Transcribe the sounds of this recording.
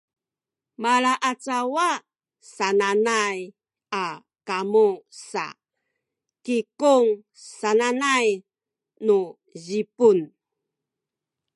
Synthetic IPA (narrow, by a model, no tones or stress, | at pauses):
malaʔat͡sawa | sananaj | a | kamusa̰ | kikuŋ | sananaj | nu | ʑipun